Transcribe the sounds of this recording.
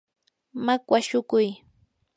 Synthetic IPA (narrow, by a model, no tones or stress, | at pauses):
makwaʃʊkʊj